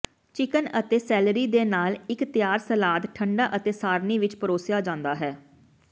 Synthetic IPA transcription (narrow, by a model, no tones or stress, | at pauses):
t͡ʃɪkənət̪eːsɛːlɾiːd̪eːnaːlɪkt̪ɪjaːɾsəlaːd̪ʈʰəɳɖaːʔət̪eːsaːɾniːʋɪt͡ʃpəɾoːsɪjaːd͡ʒãːnd̪aːɦɛː